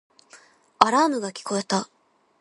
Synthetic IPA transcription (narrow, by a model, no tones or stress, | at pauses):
aɾaːmɯ̟ɡakʲi̥ko̞e̞t̪a